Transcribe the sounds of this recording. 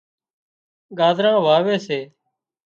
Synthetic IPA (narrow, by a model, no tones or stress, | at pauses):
ɠaːd̪ʱɾãːʋaːʋeːseː